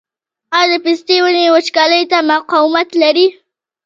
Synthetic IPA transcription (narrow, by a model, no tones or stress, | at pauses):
ɑjd̪əpist̪ewənewət͡ʃkɑləjt̪amaqɑwɪmat̪laɾi